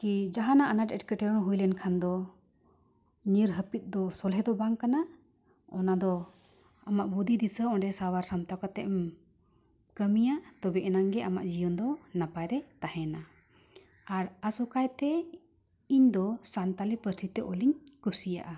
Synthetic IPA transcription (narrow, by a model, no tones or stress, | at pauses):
kid͡ʒaɦanaʔanaʈɛʈ̚kəʈɛɾɔnɦujlɛnkʰand̪ɔ | ɲiɾɦəpit̪̚ˀd̪ɔsɔlɦɛd̪ɔbaŋkana | ɔnad̪ɔ | amaʔbud̪id̪isəɔ̃ɖɛsawaɾsamt̪akat̪ɛʔm | kəmijaʔt̪ɔbɛʔɛnaŋɡɛʔama̰ʔd͡ʒijɔnd̪ɔnapajɾɛt̪ahɛna | aɾasukajt̪ɛ | iɲd̪ɔsant̪alipəɾsit̪ɛʔɔliɲkusija̰ʔa